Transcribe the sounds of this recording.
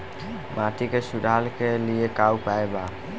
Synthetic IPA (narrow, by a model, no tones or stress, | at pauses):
maːʈikesʊɾaːlkeliekaːupaːeba